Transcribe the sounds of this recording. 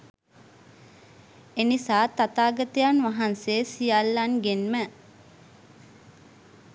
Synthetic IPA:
enisaːt̪at̪aːɡɐt̪əjanʋaɦanseːsijalːanɡenmə

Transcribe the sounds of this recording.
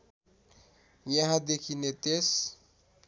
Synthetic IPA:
jaɦãd̪ekʰinet̪es

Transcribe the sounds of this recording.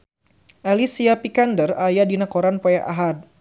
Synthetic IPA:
ʔalisiapikandərajadinakoɾanpojaʔa̰ɦad̚

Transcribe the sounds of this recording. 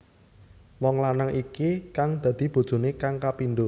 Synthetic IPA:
wɔŋlanaŋʔikikaŋd̪̥ä̤d̪̥i̤b̥o̤d̥ʒ̥o̤nekaŋkapinɖ̪ʊ

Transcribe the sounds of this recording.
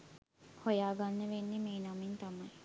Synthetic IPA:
hojaːɡɐnːəʋenːimiːnɐmint̪ɐmɐj

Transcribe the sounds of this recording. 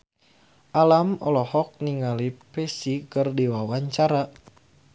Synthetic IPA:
ʔalamɔlɔhɔk̚niŋalipɛsikərdiwawaɲt͡ʃaɾa

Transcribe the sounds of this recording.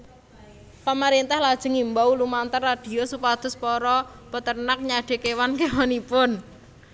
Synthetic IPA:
pəməɾint̪ahlad̥ʒ̥ə̤ŋimbawlumant̪ərːad̥i̤ɔsupad̪̥ʊspɔɾɔ | bət̪ərnak̚ɲaɖ̥e̤kewankewanipʊn

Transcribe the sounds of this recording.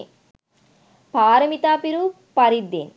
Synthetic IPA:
paːɾɐmit̪aːpiɾu | pɐɾid̪ːḛːn

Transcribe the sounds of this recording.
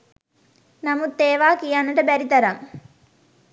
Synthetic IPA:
namut̪ːeːʋaːkijanːəʈəbæɾit̪ɐɾaŋ

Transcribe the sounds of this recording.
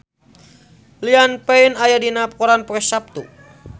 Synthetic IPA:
lianpɛinajadinap̚kɔɾanpɔkɛsap̚t̪ṵ

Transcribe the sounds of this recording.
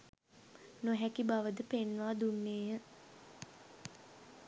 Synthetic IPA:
noɦækibaʋəd̪əpenʋaːd̪unːeːjə

